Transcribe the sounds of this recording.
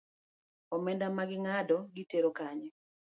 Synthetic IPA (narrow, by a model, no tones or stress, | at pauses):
ɔmɛndamaɡɪŋadɔɡɪteɾokaɲɛ